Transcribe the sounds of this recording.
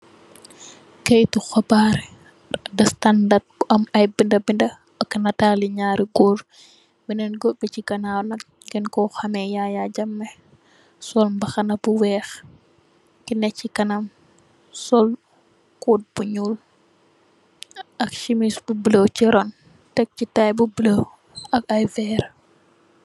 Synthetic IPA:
kɛjtuxɐbaɾ | dɐstandat̚ɐmɐjbindɐbindɐ | ɐkːnɐtaːliɲaːɾiɡuɾ | binɛnɡɔbicikɐnawnɐk | ɡɛnkɔxɐmɛjajaɟɐmːɛ | sɔlmbɐxɐnɐbuwɛːx | kinɛcːikɐnɐm | sɔl | kuːt̚b̥uɲul | ɐk̚ʃimisbubilowt͡ʃiɾɔn | tɛk̚citajbubilo | ɐkɐjvɛːɾ

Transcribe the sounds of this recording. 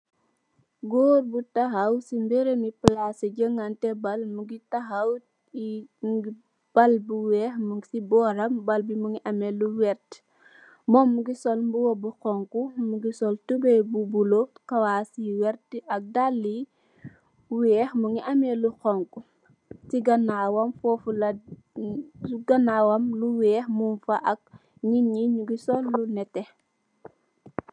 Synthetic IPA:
ɡɔːrbutɐxɐwsimbɛɾemiplasɐɟəŋɡantɛbɐlmuɡitɐxɐw | iɡi | b̥ɐlbuwɛːxmuŋsibɔːɾɐmbɐlbimuŋiʔɐmɛluwɛrt | mɔːmːuɡisɔlmbuwɐbuxɔŋkumuɡisɔltubɛbubulokɐwaːsiwɛɾtiɐk̚dalːi | wɛːxmuŋiʔɐmɛluxɔŋku | tiɡɐnaːwɐmfɔfulɐ | ɡɐnawɐmluwɛːxmunfɐʔɐk̚ | ɲiɲiɲuɡisɔlːunɛtɛ

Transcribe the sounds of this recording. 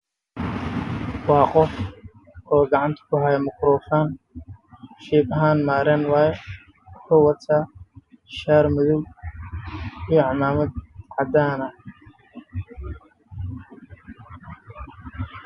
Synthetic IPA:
wɑːqɔf | ɔːɡɑʕɑnt̪ʰɐ̥kʰʊɦajɐmʊkɾɔːfaːn | ʃiːbɐɦaːnmaːɾɛnwɑːjɛ | ħʊːwɐt̪ʰaː | ʃaːɾmʊðʊw | ijɔʕɑmaːmɐd̪̚ʕɑd̪aːnɐ

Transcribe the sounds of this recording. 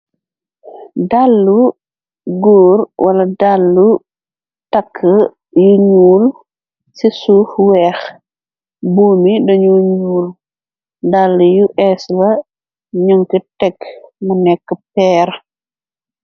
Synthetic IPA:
dalːu | ɡuːɾwʔɐlɐdalːu | takʰːə | juɲuːl | sisuːxwɛːx | buːmidɔɲuɲuːl | dalːujuʔɛslɐ | ɲuŋkitɛkmunɛkːəpɛːɾ

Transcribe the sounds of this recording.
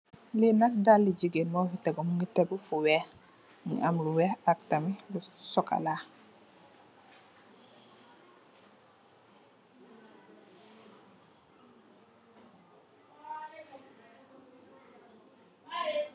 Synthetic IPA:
linatdalːiɟiɡenmɔhitɛɡomuŋɡitɛbufuwɛ | ŋḭamluwɛaktamilusɔka̰la

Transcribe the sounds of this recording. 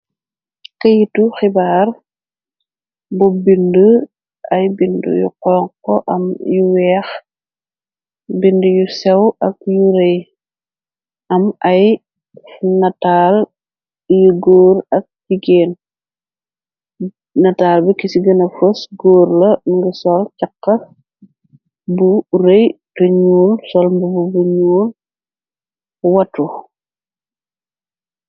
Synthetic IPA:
kɐjituxibaːr | bɔbindu | ɐjbindṵjṵqɔŋkɔʔɐ̰mjuwɛːx | bindujusɛwɐk̚juɾɐj | ɐmɐj | nɐtaːl | juɡoːɾɐk̚diɡeːn | nɐtaːlbikisiɡɐnɐfosɡɔːɾlɐŋɡusɔlcɐkːɐ | buɾejtɔɲuːlsɔlmbububuɲuːl | wɐtːu

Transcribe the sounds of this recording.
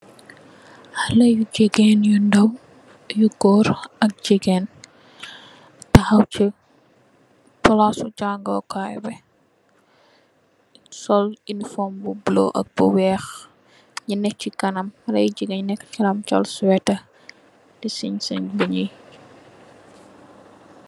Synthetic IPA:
hɐlɐjud͡ʒiɡɛnjundɐw | juɡɔːɾɐk̚d͡ʒiɡɛːn | tɐxɐwci | pɔlasut͡ʃaŋɡɔ̰kajbɛ | sɔlinifɔmbubulo̰ʔɐ̰k̚buwɛːx | ɲinɛk̚t͡ʃikɐnɐmɐlɐ̰jid͡ʒiɡɛɲnɛkːt͡ʃɐlɐmt͡ʃɔ̰lswɛtɐ | dɛsiɲsɐɲbuɲij

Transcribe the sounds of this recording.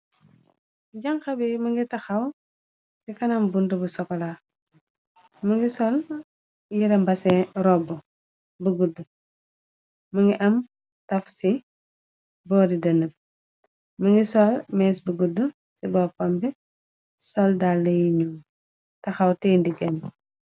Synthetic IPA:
ɟɐŋxɐbɛmɐŋɡitɐxɐw | sikɐnɐmbundəbusɔkɔla | mɐŋɡisɔl | jiɾɐmbɐsɛɾɔbːu | buɡudːu | mɐŋɡiʔɐm | tɐfsi | bɔːdidɐnəp̚ | mɐŋɡisɔlmɛːsbəɡudːu | sibɔːpɐmbɛ | sɔldalːɐjiɲu | tɐxɐwtɛːndiɡɛn

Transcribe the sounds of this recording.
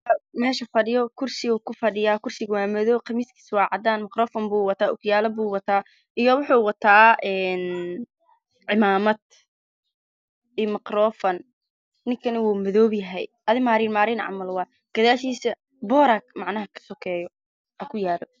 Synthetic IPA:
mɛːʃɐfɐɽɪjɔkʰʊrsɪɣuːkʰʊfɐɽɪjaːkʰʊrsɪɣwaːmɛðɔːqɐmiːskʰi̥swɑːʕɑd̪aːnmɐqrɔːfɔmbuːwɑt̪ʰaːʔʊɡjaːlɐbuːwɑt̪ʰaː | ʔijɔwʊħuːwɑt̪ʰaːʔɛːn | ʕɪmaːmɐd̪ | iːmɐqɾɔːfɐn | nɪŋkʰɐnɐwuːmɪðɔːbjɐɦɛjʔɐðɪmaːɾiːnmaːɾiːnʕɑ̰mɐlwɑː | ɡ̥ɐðaːʃiːsɐ | bɔːɾakmɑʕnɐɦɐkʰɐ̥sɔkʰɛːjɔ | ʔɐkʰʊjaːlɔ

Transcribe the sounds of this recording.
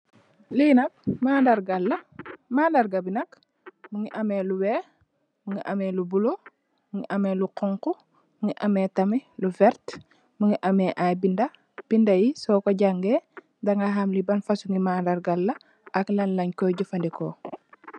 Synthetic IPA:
linɐk̚maːndɐɾɡalːɐmaːndɐɾɡɐbinɐk | muŋiʔɐmeːluwɛː | muŋɡiʔɐmɛlubulo | muŋiʔɐmeluqɔŋku | muŋiʔɐmɛːtɐmiluvɛɾt | muŋiʔɐmɛːʔajbindɐ | b̥indɐjisɔːkoɟaŋɡeː | dɐŋɡaɦamlibɐnfɐsuŋɡimaːndaɾɡalːɐ | ʔɐklɐnlɐɲkɔjɟufɐndikɔː

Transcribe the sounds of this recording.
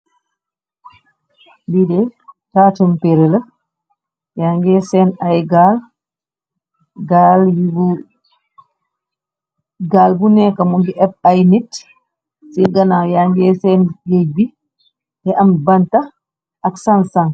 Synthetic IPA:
bidɛtatɔmpeɾɛla | jaŋɡɛsɛnajɡal | ɡaljibu | ɡalbunɛkamumbiʔɛb̚ajnit | siɡanajaŋɡɛsɛnɡejbi | dɛʔambanta | ʔaksansan

